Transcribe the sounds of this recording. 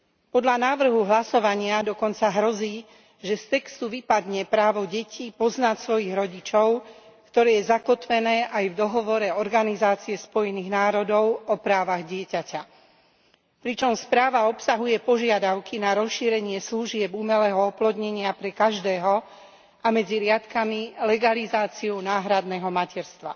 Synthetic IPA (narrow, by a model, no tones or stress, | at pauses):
pɔd̪ʎanaːʋr̩ɦuɦlasɔʋaɲɪad̪ɔkɔnt͡saɦɾɔziː | ʒɛst̪ɛkst̪uʋipad̪ɲɛpɾaːʋɔɟɛciːpɔznacsʋɔjiɣɾɔɟit͡ʃɔʊ | kt̪ɔɾɛːjɛzakɔt̪ʋɛnɛːʔajvd̪ɔɦɔʋɔɾɛɔɾɡanizaːt͡siɛspɔjɛniːɣnaːɾɔd̪ɔʊɔpɾaːʋaɣɟɪɛcaca | pɾit͡ʃɔmspɾaːʋaɔpsaɦujɛpɔʒɪad̪aʊkinaɾɔsʃiːɾɛɲɪɛsluʒɪɛbumɛlɛːɦɔɔplɔd̪ɲɛɲɪapɾɛkaʒd̪ɛːɦɔ | ʔamɛd͡ziɾɪat̪kamilɛɡalizaːt͡siunaːɦɾad̪nɛːɦɔmacɛɾst̪ʋa̰